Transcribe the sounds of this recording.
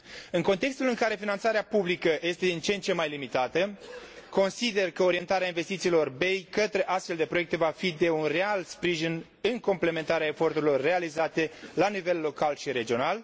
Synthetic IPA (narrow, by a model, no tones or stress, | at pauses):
ɨŋko̞nt̪e̞kst̪ulɨŋkaɾe̞finant̪saɾeapublikəje̞st̪e̞d̪int͡ʃent͡ʃe̞mːajlimit̪at̪əko̞nsid̪e̞rkəo̞ɾie̞nt̪aɾeainve̞st̪it̪siːlo̞rbe̞jkət̪ɾe̞ʔast̪fe̞ld̪e̞pɾo̞jekt̪evafid̪e̞unre̞alspɾiʒin | ɨŋko̞mple̞me̞nt̪aɾeaefo̞rt̪uɾilo̞rːe̞alizat̪e̞lanive̞lːo̞kalʃiɾe̞d͡ʒio̞nal